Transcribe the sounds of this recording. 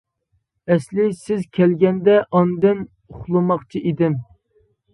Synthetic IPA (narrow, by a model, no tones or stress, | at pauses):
ɛslɪsɪzkʲʰɛlɡʲɛnd̪ɛʔɑnd̪ɪn | uχlˠɨmɑχt͡ʃʰiʔid̪ɪm